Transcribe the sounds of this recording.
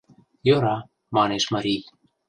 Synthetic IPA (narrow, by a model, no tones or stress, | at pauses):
joɾɑ | mɑneʃmɑɾij